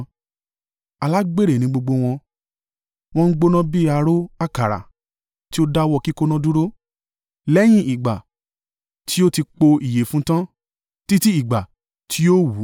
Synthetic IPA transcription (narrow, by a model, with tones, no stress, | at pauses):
a˨la˨˦ɡ͡be˦ɾe˨nĩ˨˦ɡ͡bo˧ɡ͡bo˧w̃ɔ̃˧ | w̃ɔ̃˧n̩˦ɡ͡bo˧nã˦bi˦a˧ɾo˦a˦ka˨ɾa̰˨ | ti˦o˦da˦wɔ˧ki˦ko˦nɔ̃˦du˦ɾo˦ | lɛ˦j̃ĩ˦ʔi˨ɡ͡ba˨ | tʰi˦o˦ti˧k͡po˧i˨je˨˦fũ˦tã˦ | ti˦ti˦i˨ɡ͡ba˨ | tʰi˦o˦wu˨˦